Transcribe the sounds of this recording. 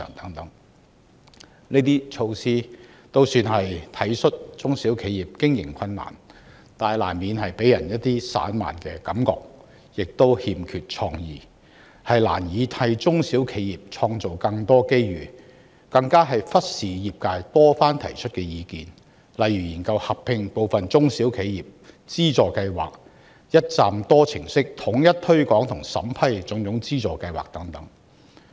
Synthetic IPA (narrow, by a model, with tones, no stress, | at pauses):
ŋt̪ɐ˨˥ŋt̪ɐ˨˥ŋ | neː˥t̪iː˥t͡ʃʰo˧wsiː˥t̪o˥wsyː˧nɦɐ˨jt̪ʰɐ˨˥jsɵ˥t̚t͡sʊ˥ŋsiː˨˥wkʰe˨˧jiː˨˩p̚kɪ˥ŋjɪ̰˨˩ŋkʰɐ˧nːa̰ː˨˩n | t̪aː˨˩jla̰ː˨˩nmiː˨˧nɦɐ˨jpe˨˥jɐ˨˩njɐ˥t̚t̪iː˥sa̰ː˨˥nma̰ː˨˩nkɛː˧kɐ˨˥mkɔ̰ː˨˧k̚ | jɪ˨k̚t̪o˥whiː˨˧mkʰyː˨t̚t͡ʃʰɔː˧ŋjḭː˨˩ | hɐ˨jla̰ː˨˩njiː˨˧t̪ʰɐ˧jt͡sʊ˥ŋsiː˨˥wkʰe˨˧jiː˨˩p̚t͡ʃʰɔː˧ŋt͡so˨wkɐ˧ŋt̪ɔː˥ke˥jɥyː˨˩ | kɐ˧ŋkaː˥ɦɐ˨jfɐ˥t̚siː˨jiː˨p̚kaː˧jt̪ɔː˥faː˥nt̪ʰɐ̰˨˩jt͡ʃʰɵ˥t̚kɛː˧jiː˨˧kiː˨n | lɐ˨jɥyː˨˩jiː˨˩nkɐ˧whɐ˨pʰɪ˧ŋpo˨wfɐ˨nt͡sʊ˥ŋsiː˨˥wkʰe˨˧jjiː˨˩p̚t͡siː˥t͡sɔː˨˩kɐ˧jwa̰ː˨˩k̚ | jɐ˥t̚t͡saː˨mt̪ɔː˥t͡sʰɪ˨˩ŋsɪ˥k̚t̪ʰʊ˨˥ŋjɐ˥t̚t̪ʰɵ˥ɥkɔː˨˥ŋt̪ʰʊ˨˩ŋsɐ̰˨˥mpʰɐ˥jt͡sʊ˨˥ŋjʊ˨˥ŋt͡siː˥t͡sɔː˨kɐ˧jwa̰ː˨˩k̚t̪ɐ˨˥ŋt̪ɐ˨˥ŋ